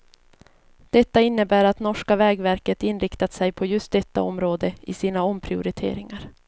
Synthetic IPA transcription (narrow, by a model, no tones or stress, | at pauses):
d̪̥ɛt̪ːaɪnːəbæːɾat̪nɔʂkavɛːɡvæɾkət̪ɪnːɾɪkt̪at̪sɛjpʰɔjɵst̪̚d̪ɛt̪ːa̰ɔmɾoːd̪əɪsiːnaɔmːpʰɾɪʊɾɪt̪ʰḛːɾɪŋaɾ